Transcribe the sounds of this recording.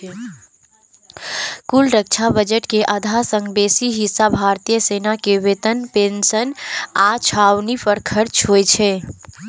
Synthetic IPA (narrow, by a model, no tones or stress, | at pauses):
kulɾək̚t͡ʃʰabəd͡ʒəʈkeʔəd̪ʱasə̃ŋɡbesiɦisːabʱaɾt̪ijəsenakeʋet̪ənpensənat͡ʃʰawnipəɾkʰəɾt͡ʃʰɦojt͡ʃʰɛ